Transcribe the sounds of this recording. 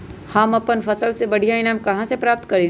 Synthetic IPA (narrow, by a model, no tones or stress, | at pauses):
hɐmɐpənfʰɐsəlsebɐɽ̤ʱijaɪnaːmkɐɦãsepɾaːp̚t̪kɐɾi